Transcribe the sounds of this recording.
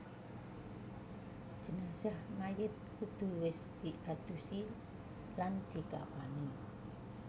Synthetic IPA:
d͡ʒ̥ə̤nasahmajɪt̪̚kud̪̥ṳwɪsd̪̥iʔad̪̥usi | land̪̥i̤ka̰pani

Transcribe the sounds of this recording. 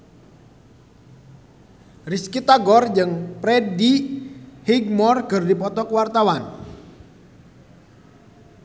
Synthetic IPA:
riskit̪aɡɔrd͡ʒɨŋpɾɛdi | hiɡmɔrkɨrdipɔt̪ɔkwart̪awan

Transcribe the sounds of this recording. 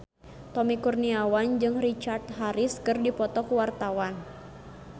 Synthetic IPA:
t̪ɔmikurniawand͡ʒɨŋrit͡ʃart̪̚ɦaɾɪskɨrdipɔt̪ɔkuwart̪awan

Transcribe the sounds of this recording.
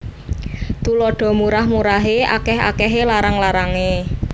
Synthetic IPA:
t̪ulɔɖ̥ɔ̤muɾahmuɾaɦea̰kɛɦa̰kɛɦelaɾəŋlaɾaŋe

